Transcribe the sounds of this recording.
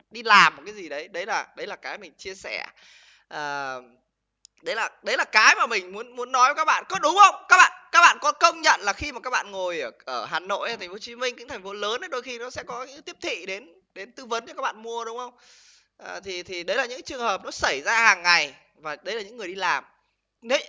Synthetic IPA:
ɗi˧laː˨˩m̚ː˨˩kaː˨˦zi˨˩ɗə˨˦jɗə˨˦jlaː˨˩ɗə˨˦jlaː˨˩kaː˨˦jmï˨˩ŋ̟t͡ɕi˧əsɛ˧˩ | ʔəː˨˩ | ɗə˨˦jlaː˨˩ɗə˨˦jlaː˨˩kaː˨˦jmaː˨˩mï˨˩ŋ̟mu˨˦ənmu˨˦ənːɔ˨˦jvə˨˧˩kaː˦˥k̚ɓa̰ː˧˨nkɔ˨˦ɗʊ˨˦ŋ͡mxə˧wŋ͡mkaː˦˥k̚ɓa̰ː˧˨nkaː˦˥k̚ɓa̰ː˧˨nkɔ˨˦kə˧wŋ͡mɲə̰˧˨nlaː˨˩xi˧maː˨˩kaː˦˥k̚ɓa̰ː˧˨ŋo˨˩jʔʔəː˧˩ɦaː˨˩no̰˧˨jʔa˨t̪ʰa˨˩ŋ̟fo˨˦t͡ɕi˨˦mï˧ŋ̟kɨ̰˧˥ŋt̪ʰa˨˩ŋ̟fo˨˦ləː˨˦nə˨˦ɗo˧jxi˧nɔ˨˦sɛ̰˧˥kɔ˨˦ɲɨ̰˧˥ŋ˨˦t̪i˦˥əp̚t̪ʰḭ˧˨ɗe˨˦n | ɗe˨˦nt̪ɨ˧və˨˦nt͡ɕɔ˧kːaː˦˥k̚ɓa̰ː˧˨nmu˧əɗʊ˨˦ŋ͡mxə˧wŋ͡m | ʔəː˨˩t̪ʰi˨˩t̪ʰi˨˩ɗə˨˦jlaː˨˩ɲɨ̰˧˥ŋ˦t͡ɕɨ˨˩əŋhəː˨˩p̚nɔ˨˦sə˧˩jzaː˧haː˨˩ŋːa˨˩j | vaː˨˩ɗə˨˦jlaː˨˩ɲɨ̰˧˥ŋːɨ˨˩əjɗi˧laː˨˩m | ne˨˦

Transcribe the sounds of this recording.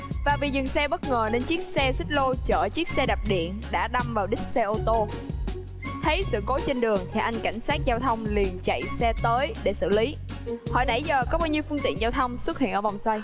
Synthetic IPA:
vaː˨˩vi˨˩zɨ˨˩ŋsɛ˧ɓə˦˥t̚ŋəː˨˩ne˧nt͡ɕi˦˥ək̚sɛ˧sï˦˥t̚lo˧t͡ɕəː˧˩t͡ɕi˦˥ək̚sɛ˧ɗa˨˩p̚ɗḭ˧˨ənɗa̰ː˧˥ɗa˧mvaː˨˩wɗï˦˥k̟̚sɛ˧ʔo˧t̪o˧ | t̪ʰə˨˦jsɨ̰˧˨ko˨˦t͡ɕe˧nɗɨ˨˩əŋt̪ʰi˨˩ʔa˧jŋ̟ka˧˩jŋ̟saː˦˥t̚zaː˧wt̪ʰə˧wŋ͡mli˨˩ənt͡ɕa̰˧˨jsɛ˧t̪əː˨˦jɗe˧˩sɨ̰˧˨li˨˦ | hɔ̰˧˩˨jɗa̰˧˩jzəː˨˩kɔ˨˦ɓaː˧wɲi˧əwfɨ˧əŋt̪ḭ˧˨ənzaː˧wt̪ʰə˧wŋ͡mswə˦˥t̚hḭ˧˨ənʔːva˨˩wŋ͡mswa˧j

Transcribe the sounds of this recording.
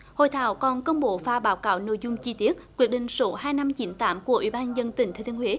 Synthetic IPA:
ho̰˧˨jt̪ʰa̰ː˧˨˦wkɔ˨˩nkə˧wŋ͡mɓo˧˨faː˧ɓaː˨˦wkaː˧˨˦wno̰˧˨jzʊ˧ŋ͡mt͡ɕi˧t̪i˦˥ət̚kwi˦˥ək̚ɗï˨ŋ̟so˨˦haː˧jna˧mt͡ɕi˨˦nt̪aː˨˦mku˧˩əʔḭ˧˦ɓaː˧nzə˧nt̪ï˨˩ŋʰː˨˧t̪ʰi˧ənhwe˨˦

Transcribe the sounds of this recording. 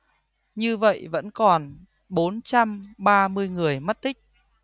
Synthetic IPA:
ɲɨ˧və̰˧˨jvə̰˧˥nkɔ˨˩n | ɓo˨˦nt͡ɕa˧mɓaː˧mɨ˧əjŋɨ˨˩əjmə˦˥t̚t̪ï˦˥k̟̚

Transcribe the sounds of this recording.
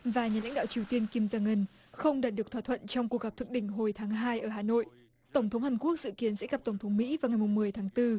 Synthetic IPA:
vaː˨˩ɲaː˨˩la̰˧˥ŋ̟ɗa̰ː˧˨wt͡ɕi˨˩əwt̪i˧ənki˧mzaː˧ŋə˧n | xə˧wŋ͡mɗaː˨˩t̚ɗɨ˨˩ək̚t̪ʰwaː˧˩t̪ʰə̰˧˨nt͡ɕɔ˧wŋ͡mku˨˩ək̚ɣa˨˩p̚t̪ʰɨ˨˩k̚ɗï˧˩ŋ̟ɦo˨˩jt̪ʰaː˨˦ŋɦaː˧jʔəː˧˩ɦaː˨˩no̰˧˨j | t̪ə˧˩wŋ͡mt̪ʰə˨˦wŋ͡mhaː˨˩ŋku˦˥ək̚zɨ̰˧˨ki˨˦ənsɛ̰˧˥ɣa˨˩p̚t̪ə˧˩wŋ͡mt̪ʰə˨˦wŋ͡mmḭ˧˥vaː˨˩wŋa˨˩jmʊ˨˩ŋ͡mmɨ˨˩əjt̪ʰaː˨˦ŋt̪ɨ˧

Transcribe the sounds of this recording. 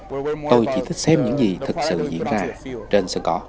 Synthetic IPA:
t̪o˧jt͡ɕi˧˦t̪ʰi˦˥k̚sɛ˦˥m̚ɲɨ̰˧˥ŋzi˨˩t̪ʰɨ˨˩k̚sɨ̰˧˨zḭ˧˥ənzaː˧t͡ɕe˧nsə˧ŋkɔ̰˧˥

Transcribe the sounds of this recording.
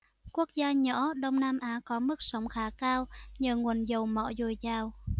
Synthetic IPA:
ku˦˥ək̚zaː˧ɲɔ̰˧˥ɗə˧wŋ͡mnaː˧mʔaː˨˦kɔ˨˦mɨ˦˥k̚sə˨˦wŋ͡mxaː˨˦kaː˧wɲəː˨˩ŋwə˨˩nzə˨˩wmɔ̰˧˨zo˨˩jzaː˨˩w

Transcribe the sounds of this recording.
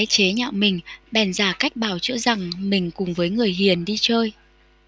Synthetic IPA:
t͡ɕe˨˦ɲa̰ː˧˨wmï˨˩ŋ̟ɓɛ˨˩nzaː˧˩ka˦˥jk̟̚ɓaː˨˩wt͡ɕɨ̰˧˥za˨˩ŋmï˨˩ŋ̟kʊ˨˩ŋ͡mvəː˨˦jŋɨ˨˩əjɦi˨˩ənɗi˧t͡ɕəː˧j

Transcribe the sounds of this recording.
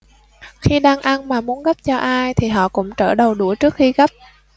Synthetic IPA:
xi˧ɗaː˧ŋʔa˧nmaː˨˩mu˨˦ənɣa˦˥p̚t͡ɕɔ˧ʔaː˧jt̪ʰi˨˩ɦɔ̰˧˨kʊ̰˧˥ŋ͡mt͡ɕəː˧˩ɗə˨˩wɗu˧˩əjt͡ɕɨ˦˥ək̚xi˧ɣa˦˥p̚

